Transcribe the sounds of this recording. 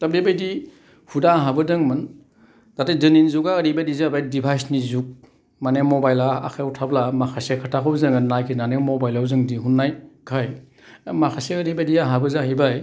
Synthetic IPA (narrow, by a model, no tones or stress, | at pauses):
tab̚debajdi | hudaːɦabɯdɯŋmɯn | tatedɯninzuɡaːɾibadizeabajdibʰʱajsnizuk̚ | manemɔbajlaa̰kʰautʰablamakʰasekʰatʰakʰɔbzɯŋɯnnajkʰinanemobajlawzɯŋdiɦunːajkʰaj | makʰaseəɾibadiaɦabɯzahibaj